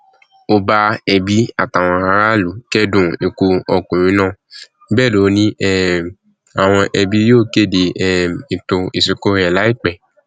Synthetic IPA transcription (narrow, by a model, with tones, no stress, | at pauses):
o˧ba˧ɛ˧bi˦a˦˨ta˨w̃ɔ̃˧a˧ɾa˦lu˨˦kɛ˦dũ˦˨e˧ku˧ɔ˧kũ˨ɾ̃ĩ˨˦nãː˦˨ | bɛː˦˨lo˨˦nĩ˦ɛ˦ | a˨w̃ɔ̃˧ʔɛ˧bi˦joː˦˨ke˦˨de˨ɛ˦ĩ˨tõ˧i˨si˨ko˦ɾɛ˨la˦i˦˨k͡pɛ˨